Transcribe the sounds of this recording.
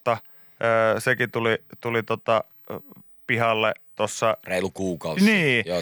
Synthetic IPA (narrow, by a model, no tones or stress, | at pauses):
t̪ɑ | əːsekit̪ulit̪ulit̪ot̪ɑ | pihɑlːet̪osːɑreˑilukuːkɑˑuniːo